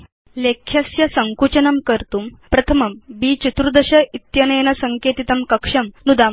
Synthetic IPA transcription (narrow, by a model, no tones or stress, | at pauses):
lekʰjɐsjɐsɐŋkut͡ɕɐnɐmkəɾt̪uːmpɾɐt̪ʰɐmɐmbiːt͡ɕit̪ɾud̪ɐɕɐit̪jɐnɐjnɐsɐŋkeːt̪it̪ɐmkɐkʂɐmnud̪am